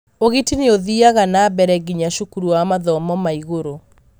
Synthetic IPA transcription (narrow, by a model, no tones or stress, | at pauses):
oɣitineoðiaɣanaːbɛɾɛɡiɲaʃukuɾuwamaðɔmɔmaiɣoɾo